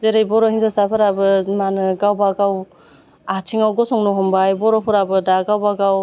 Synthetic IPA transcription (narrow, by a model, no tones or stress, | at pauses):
deɾajbɔɾɔhinzɔsapʰɯɾabɯmanɯɡawbaɡaw | atʰiŋawɡɔsɔŋnɔɦɔmbajbɔɾɔpʰɔɾabɯdaɡawbaɡaw